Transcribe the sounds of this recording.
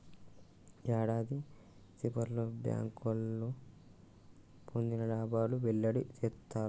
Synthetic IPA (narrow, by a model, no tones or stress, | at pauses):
jaːɽaːd̪i | sipɐɾlobja̰ːŋkɐlːo | pʰond̪inɐɖaːbaːluʋɛɭːɐɽit͡ʃ̪et̪ːaːɾ